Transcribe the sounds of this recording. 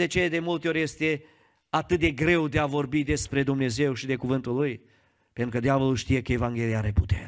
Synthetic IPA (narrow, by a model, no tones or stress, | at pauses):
et͡ʃeled̪e̞mult̪eo̞ɾʲje̞st̪e̞ | at̪ɨt̪̚d̪e̞ɡɾe̞wd̪eavo̞rbid̪e̞spɾe̞d̪umne̞ze̞wʃid̪e̞kuvɨnt̪uluj | pe̞nt̪ɾukəd̪eavəlulʃt̪ije̞kəe̞vaŋɡʲe̞lijaa̰ɾe̞pu̥t̪ḛɾ